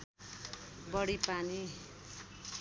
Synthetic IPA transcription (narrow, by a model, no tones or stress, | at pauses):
bʌɽipani